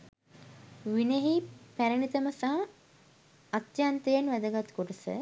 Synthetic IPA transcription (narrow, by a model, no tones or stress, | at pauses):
ʋineɦipæɾənit̪əməsaɦ | ɐt̪jant̪ejenʋæd̪əɡat̪koʈəsə̰